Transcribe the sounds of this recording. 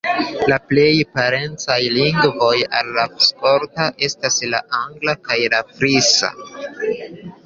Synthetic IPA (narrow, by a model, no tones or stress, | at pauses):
laple̞jpaɾe̞nt͡sajliŋɡvo̞ja̰lːaspo̞ɾtaʔe̞stasla̰aŋɡlakajlafɾisa̰